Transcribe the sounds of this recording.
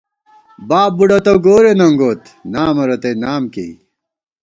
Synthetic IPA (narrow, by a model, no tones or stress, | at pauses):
baːbuɖɐt̪ɐɡoːɾenɐŋɡoːt̪ | naːmɐɾɐt̪ejnaːmkḛ